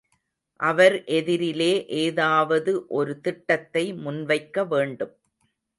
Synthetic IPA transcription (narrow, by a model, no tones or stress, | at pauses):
ʔɐʋɐɾʔɛðɪɾɪleːʔeːðaːʋɐðɯʔɔɾɯt̪ɪʈːɐt̪ːɐɪmʊnʋɐɪkːɐʋeːɳɖɯm